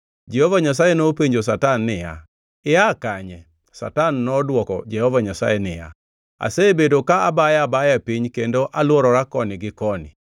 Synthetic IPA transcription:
d͡ʒɛhɔvaɲas̬ajenopiɲd͡ʒos̬atanːɪja̰ | ɪakaɲɛ | sa̰tanːɔdwɔkɔ̰d͡ʒɛhɔvaɲasa̰jɛnɪja̰ | a̰sebedokaabajabajapiɲkendoʔalwɔɾɔɾakɔnɪɡɪkɔnɪ̰

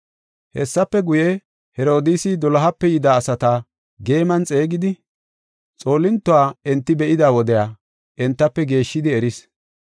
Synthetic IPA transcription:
hɛ̰sːɐpːɛɡʊjɛ | hɛɾo̞ːd̪isɪd̪ɔlɐɦɐpːɛjɪd̪aːsɐt̪a | ɡe̞ːmɐnt͡sʼe̞ːɡɪd̪ɪ | t͡sʼo̞ːlɪnt̪ːʊwaːɛnt̪ːɪbɛʔɪd̪aːwɔd̪ɛjaː | ʔɛnt̪ːɐpːɛɡe̞ːʃːɪd̪ɪɛɾɪs

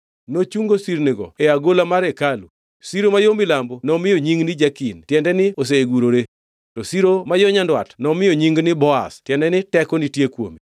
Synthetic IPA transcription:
not͡ʃuŋɡosiɾnɪɡɔ̰eaɡolamaɾekalṵ | siɾomajomɪlambonɔmɪjoɲiŋɡnɪd͡ʒakintjɛndɛnɪos̬eeɡuɾoɾe | tɔsiɾomajɔɲandwa̰tnɔmɪjoɲiŋɡnɪbɔa̰stjɛndɛnɪtɛkɔnitjekwo̰mi

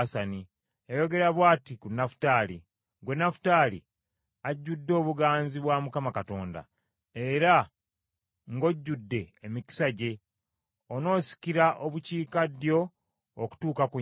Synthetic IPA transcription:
sani | ejo̞ɡe̞ɾaβwaːtikunːafu̥taːli | ɡwe̞nːafu̥taːlḭ | aɟːudːo̞ːβuɡaːnziβwamukamakato̞ːnda̰ | eɾa | ŋɡo̞ɟːudːe̞ːmiki̥saɟe̞ | ono̞ːsi̥kiɾaʔoβuciːkadjo̞ː | ku̥tuːkaku

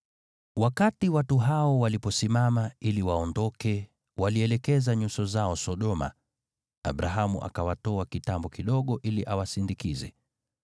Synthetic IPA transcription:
wakatiwatuɦaɔwalipɔsimamailiwaɔndɔkɛ | waliɛlɛkɛzaɲusɔzaɔsɔɗɔma̰ | a̰ɓɾaɦamuʔa̰kawatɔakitambɔkiɗɔɠɔʔiliʔawasindikizɛ̰

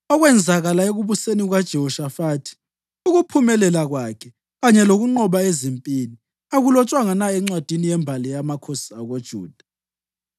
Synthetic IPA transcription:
ɔɣwɛnd͡zʱaɣalaeɣuβuseniɣwad̥ʒ̥ʱɛhɔʃafaːtʰi̥ | uɣupʰumɛlɛlaɣwakʰɛ | ɣaɲɛloɣuŋ͡ǃɔɓaezimpʼini | aɣulɔt͡ʃʼwaŋanaɛŋ͡ǀwad̥ʱinijɛmbʱalɛjamakʰosiaɣod̥ʒ̥ʱṵːd̥ʱḁ

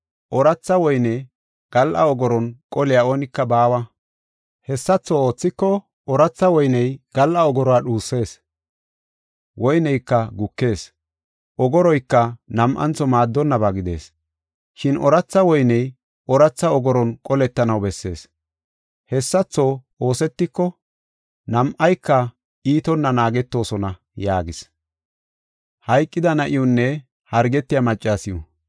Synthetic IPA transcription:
ʔɔɾɐt͡sːɐwɔjnɛ | ɡ̥ɐlʔɐɔɡɔɾɔnkʼɔlɪjao̞ːnɪkːɐbaːwɐ | hɛsːɐt͡sːoo̞ːt͡sːɪkːɔ | ɔɾɐt͡sːɐwɔjnɛjɡ̥ɐlʔɐɔɡɔɾɔaɗuːsːe̞ːs | wɔjnɛjkːɐɡʊkːe̞ːs | ʔɔɡɔɾɔjkːɐnɐmʔɐ̰nt͡sːɔmaːd̪ːɔnːɐbaɡɪd̪e̞̰ːs | ʃɪnʔɔɾɐt͡sːɐwɔjnɛj | ɔɾɐt͡sːɐɔɡɔɾɔnkʼɔlɛt̪ːɐnɐwbɛsːe̞̰ːs | hɛsːɐt͡sːow | o̞ːsɛt̪ːɪkːɔ | nɐmʔɐjkːɐ | ʔiːt̪ɔnːɐnaːɡɛt̪ːo̞ːsɔnɐ | jaːɡɪs | hɐjkʼːɪd̪ɐnɐʔɪjʊnːɛ | hɐɾɡɛt̪ːɪjɐmɐt͡ʃʼːaːsɪjɔ

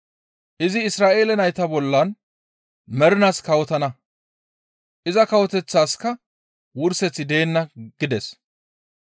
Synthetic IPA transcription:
ʔɪzɪːsɾaːʔe̞ːlɛnɐjt̪ɐbɔlːɐn | mɛɾʊnaːskɐwɔt̪ɐnɐ | ʔɪzɐkɐwɔt̪ɛt͡sːaːskːɐ | wʊɾsɛt͡sːɪd̪e̞ːnːɐɡ̥ɪd̪ɛs

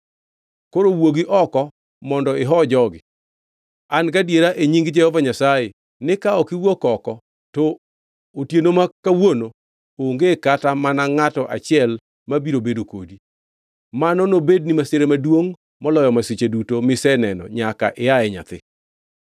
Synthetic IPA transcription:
koɾowoɡiʔɔkɔ | mɔndɔɪɦɔd͡ʒɔɡɪ | ankadjeɾaʔeɲiŋɡd͡ʒɛhovaɲasaje | nɪkaɔkɪwokɔkɔ | tɔ | otjenomakawono | oŋɡekatamanaŋatɔʔa̰t͡ʃɪɛl | mabiɾobedokodi | manɔnobednimaseɾemadwoŋ | mɔlɔjɔmasit͡ʃedutomɪsɛnɛnɔ̰ɲaka̰ʔɪjaɛɲa̰t̪ɪ̰

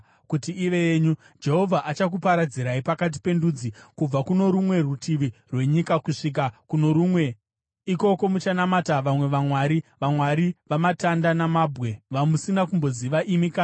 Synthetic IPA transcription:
kutiːʋe̞jeːɲu | d͡ʒe̞ɦo̞vʱaʔat͡ʃakupaɾad͡ziɾaipakat̬i̥pe̞ndud͡zikub͡vakuno̞ɾumwe̞rutiʋirwe̞ɲikakuʂik̬akuno̞ɾumwe̞ | iko̞ko̞mut͡ʃanamataʋamwe̞ʋamwaɾiʋamwaɾiʋamatandanamabʱɣe̞ʋamusinakumbo̞ziʋaʔimikaː

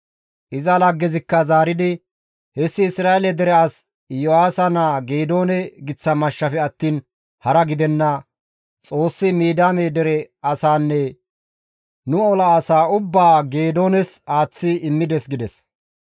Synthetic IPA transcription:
ʔɪzɐlɐɡːɛzɪkːɐzaːɾɪd̪ɪ | hɛsːɪɪsɾaːɛlɛd̪ɛɾɛɐs | jɔaːsɐnaɡe̞ːd̪o̞ːnɛɡɪt͡sːɐmɐʃːɐfɛɐt̪ːiːn | hɐɾɐɡɪd̪ɛnːɐ | t͡sʼo̞ːsːɪmiːd̪aːmeːd̪ɛɾɛɐsaːnːɛ | nʊɔlɐːsaːʊbːaːɡe̞ːd̪o̞ːnɛsaːt͡sːɪɪmːɪd̪ɛsɡɪd̪ɛs

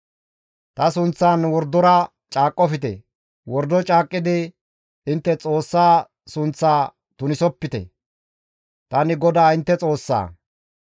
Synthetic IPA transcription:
t̪ɐsʊnt͡sːaːnwɔɾd̪ːɔɾɐ | t͡ʃʼaːkʼːɔfɪt̪ɛ̰ | wɔɾd̪ɔt͡ʃʼaːkʼːɪd̪ɪ | ɪnt̪ːɛt͡sʼo̞ːsːaː | sʊnt͡sːaː | t̪ʊnɪsɔpːɪt̪ɛ̰ | t̪ɐnɪɡɔd̪aːɪnt̪ːɛt͡sʼo̞ːsːa̰ː

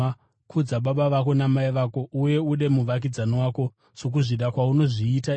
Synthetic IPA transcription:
kʰud͡zaɓaɓaʋako̞namaiʋako̞ʔuje̞uɗe̞muʋak̬id͡zanowaːko̞ | ʂok̬uʐiɗakwauno̞ʐiːta

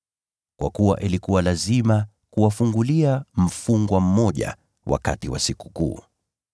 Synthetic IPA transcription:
kwʔa̰kuwa̰ʔilikuwalazima | kuwafuŋɡuliam̩fuŋɡwam̩mɔʄa̰ | wʔa̰ka̰tiwa̰siku̥kṵː

